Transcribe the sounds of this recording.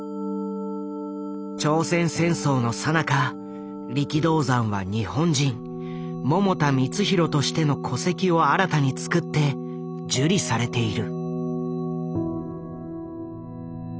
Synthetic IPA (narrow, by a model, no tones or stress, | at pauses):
t͡ɕo̞ːsẽ̞ɰ̃sẽ̞ɰ̃so̞ːno̞sanaka | ɾʲikʲid̪o̞ːzãɰ̃βaɲ̟ihõ̞ɲ̟d͡ʑĩŋ | mo̞mo̞t̪amʲit͡sɨçiɾo̞t̪o̞ɕi̥t̪e̞no̞kʰo̞se̞kʲio̞aɾat̪aɲ̟it͡sɨ̥kɯ̟t̪ːe̞ | d͡ʑɨɾʲisaɾe̞t̪e̞iɾɯ̟